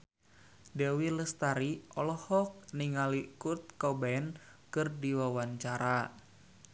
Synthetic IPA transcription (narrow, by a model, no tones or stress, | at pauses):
dɛwiləst̪aɾiɔlɔhɔk̚niŋalikurt̪̚kɔbaɛn | kɨrdiwawaɲt͡ʃaɾa